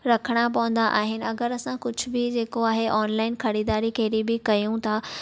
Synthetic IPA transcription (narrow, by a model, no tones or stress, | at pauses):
ɾɐkʰəɽ̃apɐʋə̃nd̪aʔaːɦɪnɪ̆ɐɡəɾɐsãkʊd͡ʑʱʊ̆bɪd͡ʑeːkoaːɦeʔaːnlaːɪnkʰɐɾiːd̪aːɾikʰeːɾibɪkɐjũt̪ʰaː